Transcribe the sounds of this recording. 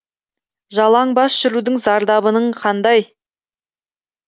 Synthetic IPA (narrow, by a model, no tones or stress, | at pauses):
ʒɑlˠɑɴbɑsʒ̥ʏɾud̪ɪŋzɑɾd̪ɑbənəɴqʰɑnd̪ɑj